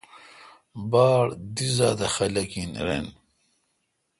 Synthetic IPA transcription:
baːɽd̪izaːd̪ɐxɐlɐkinɾḛn

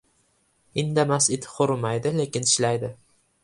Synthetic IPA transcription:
ɪnd̪amasɪt̪ʰqoɾmajd̪ɪle̞kʲɪnɪʃlajd̪ɪ

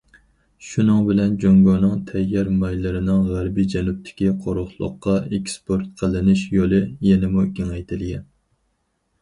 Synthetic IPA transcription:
ʃunɨŋbɪlɛnd͡ʒoŋɡɑnɨŋt̪ʰɛjːɛɾmɑjlɪɾɪnɪŋʁæɾbid͡ʒɛnup̚t̪ʰɪ̥kʲiqʰoɾoχlˠə̰qːɑekʲspʰoɾt̪̚qʰəlˠːɪnɪʃjolˠɨjɛnɪmukʲiŋɛjt̪ʰɪlɡʲɛn

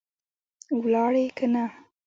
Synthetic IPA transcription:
wlɑɽekʰana

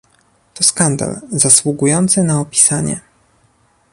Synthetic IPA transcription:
t̪ɔskand̪a̰lzaswuɡujɔnt̪sɘnaɔpʲi̥saɲɛ̰

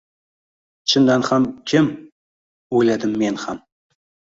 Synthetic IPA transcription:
t͡ɕʰə̆nd̪ɑnχɑmkʲʰɘm | ulʲæd̪ɘmːenχɑm

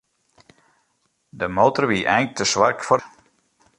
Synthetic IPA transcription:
dəmoːtərʋiːʔɛjŋk̚tʰəsʋarkfɔ

